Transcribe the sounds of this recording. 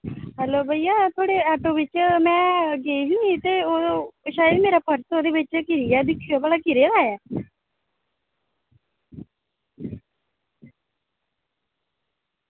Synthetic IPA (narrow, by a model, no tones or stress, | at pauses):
ɦɛːloːbəijaːt̪ʰoːɽeːɛːʈoːʋɪt͡ʃmɛ̃ːɡeiːɦuiːt̪eːoːʃaːjəd̪meːɾaːpəɾsoːd̪eːʋɪt͡ʃkɪɾijɛːd̪ɪkʰːijoːbaːlaːkɪɾed̪aːjɛː